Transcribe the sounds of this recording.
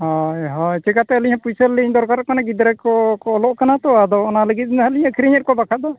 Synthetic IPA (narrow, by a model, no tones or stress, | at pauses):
hɔjɦɔ̃t͡ʃɛkat̪ɛəliɲãpujsəliɲd̪ɔɾkaɾɔkanaɡid̪ɾɛkɔkɔːlɔʔkanat̪ɔad̪ɔɔnaləɡit̪̚nɦaliɲəkʰiɾiɲət̪̚kɔbakʰad̪ɔ